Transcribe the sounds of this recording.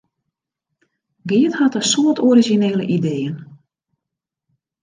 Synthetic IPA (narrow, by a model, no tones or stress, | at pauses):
ɡɪəthatəsoːətʰɔɾizineːlə̰ʔideːən